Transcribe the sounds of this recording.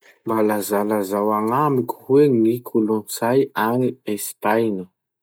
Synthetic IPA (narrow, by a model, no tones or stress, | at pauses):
mbalazalazawaŋamikʲu̥weŋikʰulunsajaniespajnə